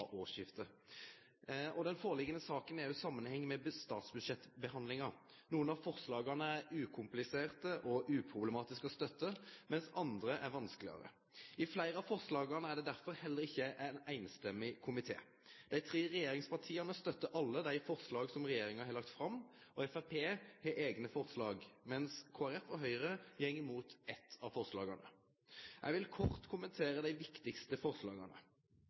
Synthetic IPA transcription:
ʔoːʂjɪft̪əɾ | ɔd̪ɛnfoːʁəlɪɡənəsɑːkənæɾjʊsɑmːənhɛŋːmɛst̪ɑːt̪sbʉd̪ʂɛt̪ːbəhɑnd̪lɪŋɑ | nuːənɑʋfɔʁslɑːɡɑnəæɾʉːkʰʊmplɪseːʁt̪əʔɔʔʉːpʰʁʊbləmɑːt̪ɪskɔst̪œt̪ːəmɛnsɑnd̪ɾəʔæɾʋɑnsklɪɑ̰ɾə̰ | ɪflæɪɾəɑfɔʁslɑːɡɑnəæɖɛd̪æɾfɔɾhɛlːəɾɪçːəʔænæɪnst̪ɛmːɪkʰʊmɪt̪ʰḛː | d̪̥æɪt̪ʰɾeːɾɛjeːɾɪŋspɑʈʰiːɑnəst̪œt̪ːəʔɑlːəd̪æɪfɔʁslɑːɡsɔmʁɛjeːɾɪŋɑhɑɾlɑk̚t̪fɾɑmːɔɛfæpʰeːheːʔeːɡnəfɔʁslɑːɡmɛnskʰʊɑɾɛt̪ːɔɦœʏɾəjɛŋːɪmuːt̪ɛt̪ʰːɑʋfɔʁʂlɑ̰ːɡɑnə | ʔæ̰ɪʋɪlkʰɔʁt̪kʰʊmənt̪ʰeːɾəd̪æɪʋɪkt̪ɪkst̪əfɔɾʁslɑ̰ːɡɑnə̰

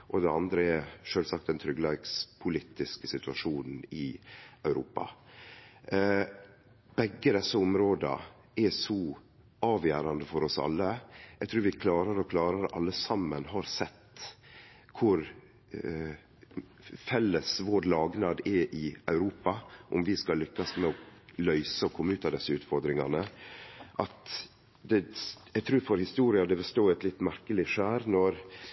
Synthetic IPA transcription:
ʔɔd̪ɛɑnd̪ɾəɛɾʂøːlsɑkt̪d̪ɛnt̪ʰɾʏɡlɛɡspʰʊliːt̪ɪskəsɪt̪ʉɑʂuːnn̩ɪœʉɾuːpɑ̰ | b̥ɛɡːəd̪ɛsːəʊmɾoːd̪ə̰ | ɛsɔ | ʔɑːʋjæːɾɑnd̪əfɔɾɔsɑ̰lːəjæɛɡt̪ʰɾuːɾʋɪkʰlɑːɾəɾɔkʰlɑːɾəɾʔɑ̰lːəsɑmːənɦɑɾsɛt̪ː | kʰʊɾ | fɛlːəsʋoːɾlɑːɡnɑːd̪ɛʔɪʔœʉɾuːpɑʔʊmʋɪskɑlːʏkːɑsmɛɔlœʏsəɔkʰɔmːəʉːt̪ɑʋd̪ɛsːəʉːt̪fɔɾd̪ɾɪŋɑ̰nə | ʔɑt̪ | d̪ɛɛɡt̪ʰɾuːɾfɔɾhɪst̪uːɾɪɑd̪ɛbəst̪oːɛt̪lɪt̪ːmæɾkəlɪʂæːɾnɔɾ

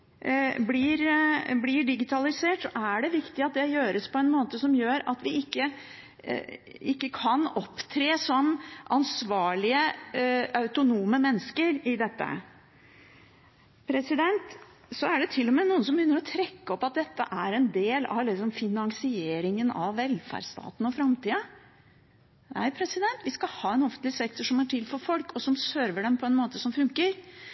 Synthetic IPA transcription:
blɪɾblɪɖɪɡɪt̪ʰɑlɪseːʈsɔʔæɖɛʋɪkt̪ɪɑt̪̚d̪ɛjøːɾəspʰɔɛnmoːt̪əsɔmjøːɾɑ̰t̪ʋɪɪkːə | ɪkːəkʰɑnɔpːt̪ʰɾeːsɔmːʔɑnsʋɑːɭɪə | ɑʉt̪ʊnuːməmɛnːəskəɾɪd̪ɛt̪ːə̰ | pʰɾɛsɪd̪ɛnt̪ | sɔæɖɛt̪ʰɪlːɔmeːnuːənsɔmjʏnːəɾɔt̪ʰɾɛkːəɔpːɑt̪̚d̪ɛt̪ːəʔæɾɛnd̪eːlɑ̰ʋlɪksɔmfɪnɑŋsɪeːɾɪŋənɑ̰ʋːɛlfæ̰ɖst̪ɑ̰ːt̪n̩ɔfɾɑmt̪iːə | næ̰ɪpʰɾɛsɪd̪ɛnt̪ʋɪskɑhɑːɛnɔfənt̪lɪsɛkt̪ɔʂɔmæʈʰɪlfɔɾfɔlkʰɔsɔmsøɾʋəɖɛmpʰɔɛnmoːt̪əsɔmfʉŋkəɾ

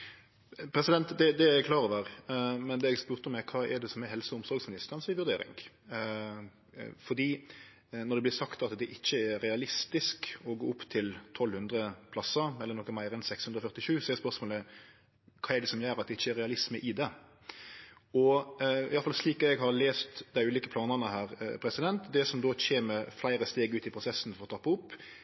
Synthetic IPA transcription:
pʰɾɛsɪd̪ɛnt̪d̪ɛd̪ɛɛkʰlɑːɾɔʋəːɾmɛnd̪ɛɛɡspʉːɾt̪ɔmːɛkʰɑːɛɖ̪ɛsɔmɛɾɦɛlsəʊmsɔɾɡsmɪnɪst̪əʁɑnsɪʋʉɾd̪eːɾɪ̰ŋ | fɔɾd̪iː | nɔɾd̪ɛblɪɾsɑkt̪ɑt̪d̪ɛʔɪçːəæɾɛɑlɪst̪ɪskɔɡoːʊpːt̪ʰɪlt̪ʰɔlhʉnd̪ɾəpʰlɑsːəɛlːəɾnɔːkːəmæɪɾɛnsɛkshʉnd̪ɾɔfœʁt̪ɪʃʉːsɔɛɾspœɾsmoːlə | kʰɑːɛɖ̪ɛsɔmjæːɾɑt̪̚d̪ɛɪçːəɛɾɛɑlɪsməʔɪd̪ɛ | ɔɪ̰ɑlfɑlsliːk̪ɛɡhɑɾleːst̪d̪æɪʉːliːkəpʰlɑːnənəhæːɾpʰɾɛsɪd̪ɛnt̪d̪ɛsɔmd̪oːçeːməɾflæɪɾəst̪eːɡʉːt̪ɪpʰɾʊsɛsːn̩fɔɾɔt̪ʰɑpːəʊpː

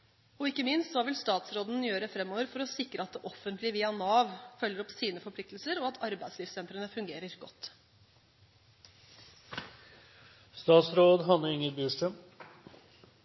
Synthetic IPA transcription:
ɔɪkːəmɪnst̪sɔʋɪlst̪ɑːt̪sɾoːd̪n̩jøːɾəfɾɛmːoːʋəɾfɔɾɔsɪkɾəɑt̪̚d̪ɛʔɔfːənt̪lɪʋiːɑnɑːʋfœlːəɾɔpsiːnəfɔɾplɪk̚t̪l̩səɾɔɑt̪ʰɑɾbæɪsliːfsɛnt̪ɾənəfʉŋɡeːɾəɾɡɔt̪ː | st̪ɑːt̪sɾoːd̪ɦɑnəɾɪŋːət̪byːʂʈəm

